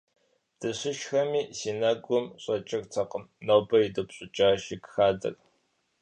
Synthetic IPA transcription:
d̥ɨɕɪʃxɐmiːsiːnaɡʷʊmɕʼɐt͡ʃʼɪrtʰɐqəmnoːbɐidɨpɕʼʊt͡ʃʼaːʒikxaːdɐ̰r

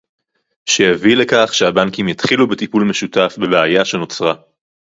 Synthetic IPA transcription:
ʃejavile̞kaχʃeabaŋkimjat̪χilubetipulmeʃutafbe̞beajaʃe̞no̞t͡sʁa

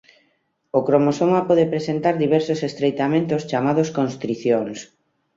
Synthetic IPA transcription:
okɾomosoŋapɔðepɾesent̪aɾðiβɛɾsosest̪ɾejt̪amẽnt̪ost͡ʃamað̞oskonst̪ɾiθjoŋs

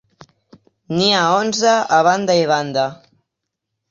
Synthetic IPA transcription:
niaonzəːβand̪aiβand̪a

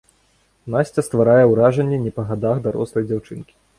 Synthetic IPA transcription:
nasʲt͡sʲɐst̪vaɾajɛwɾaʐɐnʲːɛnʲɛpɐɣad̪axd̪aɾɔ̰slˠɐjd͡zʲawt͡ʂɨnkʲi̥

